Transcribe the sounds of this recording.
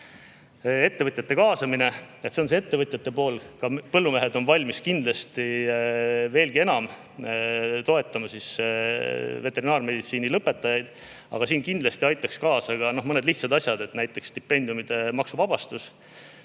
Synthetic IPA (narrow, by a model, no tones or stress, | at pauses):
e̞t̪ːe̞vɤt̪ʲjɑt̪ːekɑːsɑmine̞et̪sens̬ee̞t̪ːe̞vɤt̪ʲˑjɑt̪ːe̞po̞ːlkɑpɤlːume̞ɦed̪o̞nvɑlʲmiskind̪lɑst̪i | ve̞ːlɡ̥ie̞nɑm | t̪o̞e̞t̪ːˑɑmɑsis | ve̞t̪ːˑe̞ɾinɑːrme̞d̪it̪siːnilɤpːˑe̞t̪ːˑɑjɑjd̪̥ | ɑ̰ɡ̥ɑsiːnkind̪lɑst̪iɑjt̪ːˑɑkskɑːsɑɡ̥ɑno̞hmɤned̪liht̪sɑd̪ɑsʲjɑd̪e̞t̪næjt̪ːˑe̞kst̪ipːˑe̞nʲd̪̥jumid̪̥e̞mɑksuvɑb̥ɑst̪us